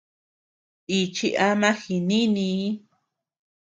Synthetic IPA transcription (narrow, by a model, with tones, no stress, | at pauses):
i˧t͡ʃi˦˧ʔa˦mã˦xi˧nĩ˦nĩ˧˦